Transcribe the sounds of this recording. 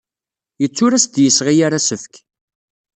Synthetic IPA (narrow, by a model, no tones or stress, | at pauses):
jət͡sːʊɾæsd̪jəsʁijaɾasəfk